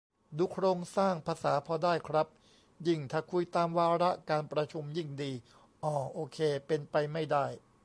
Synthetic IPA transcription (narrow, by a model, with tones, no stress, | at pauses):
duː˧kʰɾoː˧ŋsaː˥˩ŋpʰaː˧saː˩˦pʰɔː˧daː˥˩jkʰɾa˦˥p̚ | ji˥˩ŋt̪ʰaː˧˥˩kʰu˧jt̪aː˧mwaː˧ɾa˦˥ʔkaː˧npɾa˧t͡ɕʰu˧mji˥˩ŋdiː˧ | ʔɔː˧˩ʔoː˧kʰeː˧pe˧npa˧jma˥˩jdaː˥˩j